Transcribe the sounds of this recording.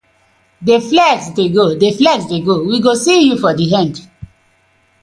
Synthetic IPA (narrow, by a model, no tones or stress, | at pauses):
deflɛɡsdeɡodeflɛsdeɡowiɡosijufɔdiɦɛ̃nd